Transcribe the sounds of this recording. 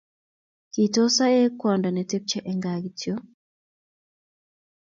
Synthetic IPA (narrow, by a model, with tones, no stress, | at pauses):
ki˨tɔ˦sa˦ɛ˦kwɔ˨nda˨nɛ˨te˦p̚t͡ʃɛ˨ʔɛ˨ŋɡa˨ɡi˨tʰjo˦